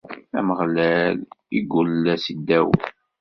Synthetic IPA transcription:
æ̰məʁlæliɡʊlːæsid̪ːæw

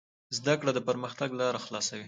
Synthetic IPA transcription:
zd̪akɽad̪əpəɾməxt̪aɡlɑɾaxlɑsawi

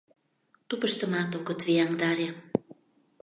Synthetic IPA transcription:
t̪upə̆ʃt̪ə̆mɑt̪okot̪viɑŋd̪ɑɾʲe

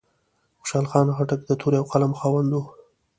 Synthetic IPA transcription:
xʊ̥ʃɑlxɑnxaʈak̚d̪ət̪ʰoɾjawqalamxɑwand̪u

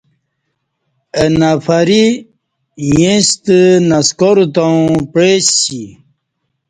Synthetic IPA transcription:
ənafaɾi | jẽst̪ənaskoɾut̪ãpɻesi

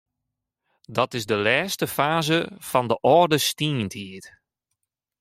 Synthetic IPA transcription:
dɔtɪzdəlɛːstəfaːzəfɔndəʔɔrdəstiənthiət

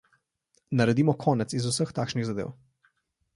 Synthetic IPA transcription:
nɐɾɛd̪iːmɔkʰɔːnɛt̪sizusəxt̪aːkʃniɣzad̪ḛːw

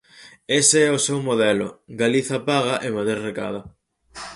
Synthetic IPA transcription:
eseɛosewmoðɛlʊ̰ɡaliθɐpaɣaʔemaðɾeɾreka̰ðɐ

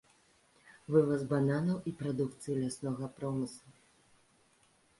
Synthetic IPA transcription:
vɨvɐzbananɐwʔipɾad̪ukt̪sɨjilʲasnɔɣɐpɾɔmɨslˠɐ

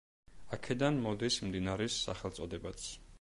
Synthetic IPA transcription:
akʰɛd̪anmɔd̪ismd̪inaɾɛsːa̰χɛlˠt̪sʼɔd̪ɛbat̪sʰ

